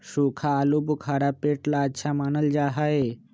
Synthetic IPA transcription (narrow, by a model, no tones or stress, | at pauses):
ʃukʰaːlubukʰaɽapeʈlaːɕʰamanəld͡ʒaɦae